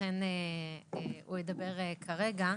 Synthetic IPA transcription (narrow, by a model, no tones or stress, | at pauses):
ene | ujed̪abe̞ʁekʰaʁeɡa